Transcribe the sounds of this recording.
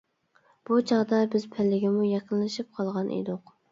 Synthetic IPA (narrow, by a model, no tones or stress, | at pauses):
b̥ut͡ʃʰɑʁd̪ɑbɪz̥pʰɪlːɪɡʲɪmujɑqənlɨʃip̚qʰɑlˠʁɑnʔḛd̪oq